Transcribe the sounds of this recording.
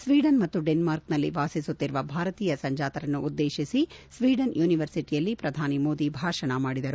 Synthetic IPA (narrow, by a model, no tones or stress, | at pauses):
sʋiːɖɐnmɐt̪ːuɖenmaːɾknɐlːḭʋaːsisut̪ːiɾʋɐbʱaːɾɐt̪iːjɐsɐɲd͡ʒaːt̪ɐɾɐnːuʔud̪ːe̞ːʃisisʋiːɖɐnjuːniʋɐɾsiʈijɐlːipɾɐd̪ʱaːnimo̞ːd̪ibʱaːʂɐɳɐmaːɽid̪ɐɾu